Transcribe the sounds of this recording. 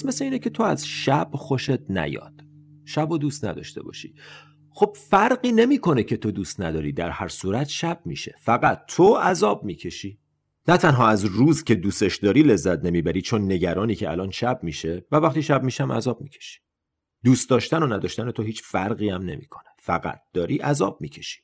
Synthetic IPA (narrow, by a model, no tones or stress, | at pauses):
smesleiːnecʰe̞t̪ʰo̞æzʃæb̥xo̞ʃe̞t̪̚næ̰jɒ̰ːd̪̥ | ʃæbod̪uːst̪næ̰d̪ɒ̰ʃt̪e̞̰bɒ̰ːʃi̥̰ | χxo̞b̥̚fæɾɢiːne̞miːkʰo̞necʰe̞t̪ʰo̞d̪uːst̪næd̪ɒːɾiːd̪æɾhæɾsuːɾæt̪ʃæb̥̚miːʃe̞̰fæɣæt̪ʰːoæzɒːbmiːcʰe̞ʃiː | næt̪ʰænɦɒːæzɾuːzcʰe̞d̪uːse̞ʃd̪ɒːɾiːle̞zːæt̪ne̞miːbæɾiːt͡ʃʰo̞nːe̞ɟæɾɒːniːcʰeælɒːnʃæb̚miʃe̞vævæχt̪iːʃæb̚miːʃæmʔæ̰zɒːb̥̚micʰe̥ʃi̥ | d̪̥uːst̪̚d̪ɒːʃt̪æno̞næd̪ɒːʃt̪æne̞t̪o̞ɦiːt͡ʃfæɾɢiːæmne̞̰mḭːkʰo̞nefæ̰ɡæ̰t̪̚d̪̥ɒːɾiːʔæzɒ̰ːb̥̚miːcʰe̞ʃi̥